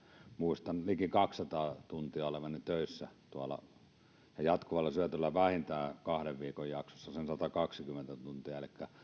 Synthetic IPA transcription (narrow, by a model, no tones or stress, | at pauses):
muist̪ɑnlikikɑksːɑt̪ɑːt̪unt̪iɑolemɑnːit̪øˑisːæt̪uɑlɑ̰ | jɑjɑt̪kuʋɑlːɑsyæt̪ylːæʋæhint̪æːkɑhɾeʋʋiːkojjɑksosːɑsensɑt̪ɑkɑksikymːent̪æt̪unt̪iɑelikːæ